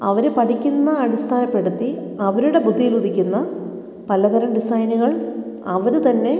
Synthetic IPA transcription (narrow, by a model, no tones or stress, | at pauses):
ɐʋɐɾepɐʈikʲːunːɐːɽist̪ʰaːnɐpːe̞ɽut̪ːiɐʋɐɾuɽe̞bʱud̪ːijilud̪ʱikʲːunːɐ | pɐlɐd̪ɐɾɐmɖisɐjnuɣɐɭ | ɐʋɐɾt̪ɐnːe̞